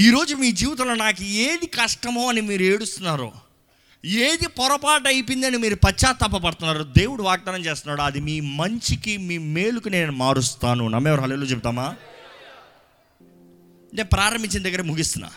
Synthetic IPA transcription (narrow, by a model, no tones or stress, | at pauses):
iːɾo̞ːd͡ʒumiːd͡ʒiːʋɐt̪̬ɐloːnaːkueːd̪ikɐʂʈɐmoːɐnimiːɾueːɽust̪unːaːɾṵ | eːd̪ipɔɾɐpaːʈɐjipind̪ɐnimiːɾupɐt͡ʃːaːt̪ːɐp̬ːɐp̬ɐɽut̪unːaːɾud̪e̞ːwuɽuʋaːɡ̚d̪aːnɐmt͡ʃe̞ːst̪unːaːɽuɐd̪imiːmɐɲt͡ʃikimiːme̞ːɭukune̞ːnumaːɾust̪aːnunɐ̰mːɛːʋɐɾɦɐleːlut͡ʃep̬ut̪aːmaː | neːnupɾaːɾɐmbiɲt͡ʃːind̪ɐɡːɐɾemuɡist̪unːa̰ː